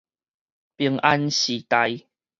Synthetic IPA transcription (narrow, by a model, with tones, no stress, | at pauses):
pi˨˩əŋʔa˧nɕi˨˩t̪a˧j